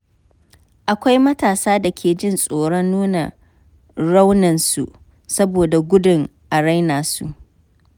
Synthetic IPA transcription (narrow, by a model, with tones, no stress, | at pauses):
ʔa˨kʷa˦jmɐ˦taː˨saː˦da˨kʲʰeː˨d͡ʒɪ˦nsʼoː˨ɽɔ˦nːuː˦na˨ | ɽa˦wnɐ˨nsu˨ʔ | sɐ˦boː˨da˨ɡʷʊ˦dʊ˨ŋʔa˨ɽa˦jnaː˨su˨ʔ